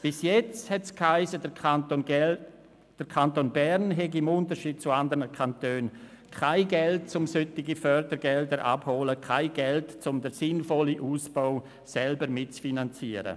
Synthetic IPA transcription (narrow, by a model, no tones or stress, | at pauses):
b̥ɪsjɛt͡sthɛtskhaɪsədto | d̥əɾkʰantoːnbɛɾnɦɛɡiɪmʊntəɾʃiːd̥̚t͡suandəɾnəkʰantøːn | kʰaɪɡɛltt͡sʊmsʏtɪɡifœɾdəɾɡɛldəɾʔa̰bhoːləkʰaɪɡɛltt͡sʊmdəɾsɪnfɔliʔuːsbaʊ | sɛlbəɾmɪtt͡sfinant͡siəɾə̰